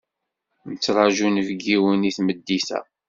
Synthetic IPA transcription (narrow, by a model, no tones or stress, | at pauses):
nət͡sːɾˤɑʒunəvɡiwəniθməd̪ːisæ̰